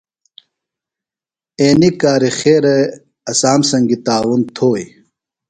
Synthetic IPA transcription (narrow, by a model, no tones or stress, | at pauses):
eːnikaːɾixeːɾe | ɐsaːmsɐŋɡit̪aːwunt̪ʰoːj